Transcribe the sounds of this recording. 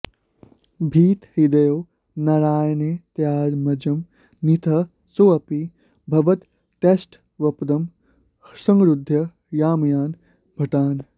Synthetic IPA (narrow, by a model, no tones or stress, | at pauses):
bʱiːt̪hid̪ɐjoː | nɐɾaːjneːt̪jaːdmɐd͡ʒɐm | nit̪ʰɐ | soːɐpi | bʱɐʋɐt̪ː | esʈ | ʋɐpd̪ɐm | sɐŋɡɾud̪ʱːjɐ | jaːmjaːn | bʱɐʈaːn